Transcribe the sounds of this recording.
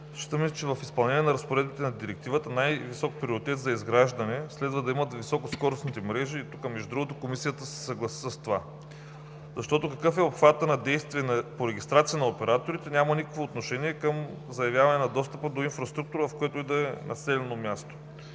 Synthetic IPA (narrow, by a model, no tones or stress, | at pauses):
t͡ʃi̥t̪əmɛsɛt͡ʃɛvɐfispɐlˠnɛnʲiɛnɐɾɐspoɾɛd̪bit̪ɛnɐd̪iɾɛk̚t̪ivət̪ənajvisɔk̚pɾioɾit̪ɛt̪zɐizɡɾaʒd̪ɐnɛslɛd̪vəd̪ɐimət̪visɔkoskɔɾosnit̪ɛmɾɛʒiːt̪ukəmɛʒud̪ɾuɡot̪okomisijət̪əsɛ̥sɐɡlˠɐsi̥səst̪ova | zɐʃt̪ɔt̪okɐkɤfɛopxvat̪ənɐd̪ɛjst̪viɛnɐpoɾɛɡ̟ʲist̪ɾat̪sijənɐopɛɾat̪oɾit̪ɛnʲamənikəkvoːt̪noʃɛniɛkɤm | zɐjɐvjavɐnɛnɐd̪ɔst̪əpəd̪oinfɾɐst̪ɾuk̚t̪uɾəvɐfkoɛt̪oid̪ɐɛnɐsɛlɛnomʲjast̪o̥